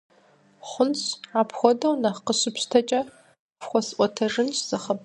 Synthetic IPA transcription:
χʷʊnɕʕapʰxʷɔdɐwnɐqəɕɪpɕtʰɐt͡ʃʼɐ | fxʷɔsʔʷɔtʰɐʐɨnɕz̥ɐχəp

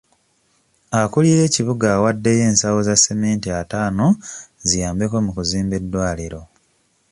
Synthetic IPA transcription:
akulije̞ːciβuɡaːwadːe̞je̞ːnsawozasːemeːntiataːno̞zijaːmbe̞ko̞mukuziːmbe̞dːwaːliɾo̞

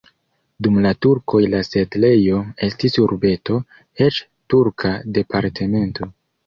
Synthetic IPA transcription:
dumlatuɾko̞jlase̞dle̞jo̞e̞stisuɾbe̞to̞ | et͡ʃ | tuɾkʰade̞paɾtʰe̞me̞ntʰo̞

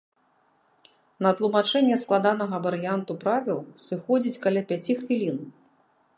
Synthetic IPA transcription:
nɐt̪lˠumat͡ʂɛnʲːɛsklˠad̪anɐɣɐvɐɾɨjant̪upɾavʲilˠsɨxɔd͡zʲit͡sʲkɐlʲapʲat͡sʲixfʲilʲin

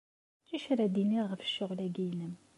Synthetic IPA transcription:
t͡ʃːiʃɾæd̪iniʁəfʃːʊʁlæɡijnəm

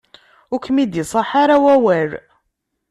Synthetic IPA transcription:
ʊkːmid̪isˤɑħaɾawæwæɾ

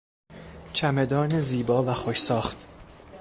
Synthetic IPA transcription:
t͡ʃʰæme̞d̪ɒːneziːbɒːvæxoʃsɒːχt̪

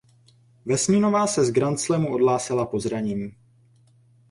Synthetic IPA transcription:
vɛsɲino̞vaːsɛzɡɾant͡slɛmuʔo̞dlaːsɪlapo̞zɾaɲiːm

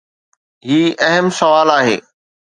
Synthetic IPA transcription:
ɦiːɐɦəmsɐʋaːlaːɦḛː

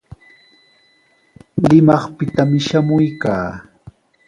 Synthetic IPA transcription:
lɪmɑχpɪt̪amɪʃamʊjkaː

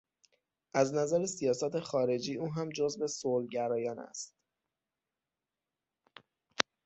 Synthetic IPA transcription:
ʔæznæzæɾesijɒːsɒːt̪ʰe̞xɒːɾe̞d͡ʒiːuːɦæmd͡ʒozve̞soːlɟæɾɒːjɒːnæ̰st̪

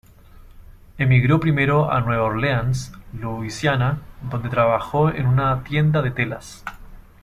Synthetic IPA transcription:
emiɣɾo̞pɾimeɾoa̰nweβoɾleansluisjanad̪o̞nd̪et̪ɾaβaxoḛnunat̪je̞nd̪aðet̪elas

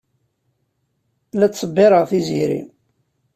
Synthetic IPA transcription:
læt͡sːsˤəbːɪɾəʁθiziɾḭ

